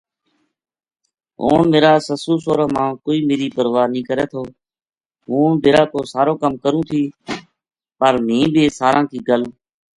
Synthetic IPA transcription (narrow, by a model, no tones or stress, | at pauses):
ɦo̰ːnmeːɾaːsəsuːsoːɾəːmãːkoːiːmeːɾiːpəɾʋaːnĩːkəɾeːt̪ʰoː | ɦũːbeːɾaːk̪oːsaːɾoːkəmkəɾũːt̪ʰiː | pəɾmĩːbʱiːsaːɾãːkʰiːɡəl